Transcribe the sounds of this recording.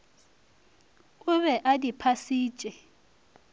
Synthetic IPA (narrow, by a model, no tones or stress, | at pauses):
kuɓɛʔadipʰasiːd̥ʒ̥ʱʼɛ